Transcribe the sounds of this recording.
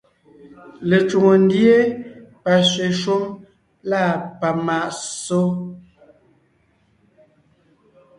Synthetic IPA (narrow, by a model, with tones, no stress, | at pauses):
le˨t͡ʃu˨ŋo˨n˦dje˦pa˨sɥe˨ʃo˦m | laː˦˨pa˨ma˨ʔso˦